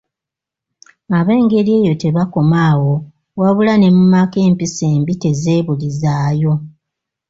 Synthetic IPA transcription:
aβe̞ːŋɡe̞ɾie̞ːjo̞te̞βako̞maːwo̞ | waβulane̞mumake̞ːmpise̞ːmbite̞ze̞ːβulizaːjo̞

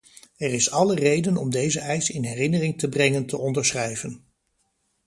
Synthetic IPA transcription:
ɛrɪsɑlərejdənɔmdejzəʔɛjsɪnɦɛrɪnərɪŋtəbrɛŋəntəɔndəɹsχrɛjvən

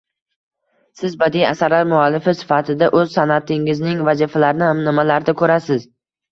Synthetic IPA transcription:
sɪzbad̪ija̰saɾlaɾmʊalːɪfɪsɪ̥fat̪ʰɪd̪aʔɵzsanat̪ʰɪŋɪznɪŋvazifalaɾnɪhamnɪmalaɾd̪akʰɵɾasɪz

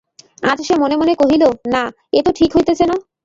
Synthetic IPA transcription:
a̰d͡ʑʃemonemonekoɦilona | et̪oʈʰikɦojt̪et͡ɕʰeno

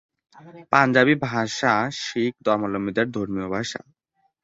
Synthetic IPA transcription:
pand͡ʑabibʱaʃaʃik̚d̪ɔɾmalomid̪eɾd̪ʱoɾmiobʱaʃa̰

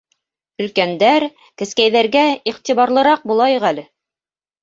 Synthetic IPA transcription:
ɵ̆lkænd̪æɾ | kɘ̆skæjðæɾɡæiχt̪iβɑɾlˠɤ̆ɾɑq̚bulˠɑjŏʁælɘ

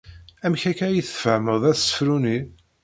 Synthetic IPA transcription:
æmçækæjiθə̥fəʕməðˤæθsə̥fɾuni

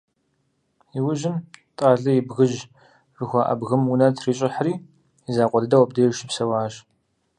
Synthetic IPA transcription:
iwʊʒɪmtʼaːɮɐjɪbɣɨʒ | rɨxʷɐʔɐ̰bɣɨmunɐtʰriːɕʼɪħəriː | izaːqʷɔdɨdɐwɐb̚deːʃɪpsɐwaːɕ

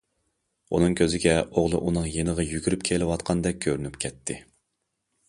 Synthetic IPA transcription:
unɨŋkʲʰøzɪɡʲɛoʁlˠɨʔunɨŋjenəʁɑjyɡʲyɾyp̚kʲʰelɪwɑt̪qʰɑnd̪ɛk̚ʲʰːøɾynypkʲʰɛt̪ʰːɪ

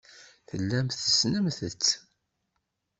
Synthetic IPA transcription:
θəlːæmθəsnəmθət͡sː

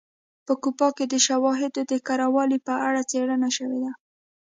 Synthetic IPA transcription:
pəkupɑked̪əʃawɑɦɪd̪od̪əkaɾawɑlipəaɽat͡seɽənaʃəwed̪a

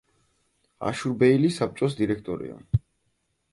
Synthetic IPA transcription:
a̰ʃuɾbɛilisap̚t͡ʃʼɔs̬d̪iɾɛkʰt̪ʼɔɾḭa̰

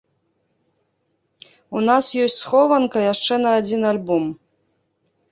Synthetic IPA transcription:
unasjɔsʲtʲsxɔvɐnkɐjaʂt͡ʂɛnɐːd͡zʲinalʲbɔm

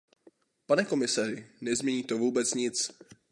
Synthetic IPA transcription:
panɛko̞mɪsar̝ɪnɛzmɲɛɲiːt̪o̞vuːbɛt͡sɲɪt͡s

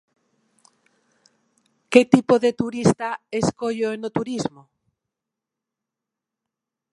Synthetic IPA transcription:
ket̪ipoðet̪uɾist̪aeskoʎoenot̪uɾizmo

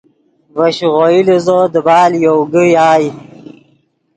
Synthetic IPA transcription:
vaɕʁoilizod̪əbɑːljowɡijaːj

